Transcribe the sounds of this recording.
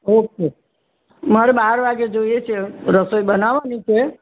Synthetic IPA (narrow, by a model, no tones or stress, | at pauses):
oke | məɾebaɦəɾbaɡed͡ʒojet͡ʃʰeɾəsəjbənabanit͡ʃʰe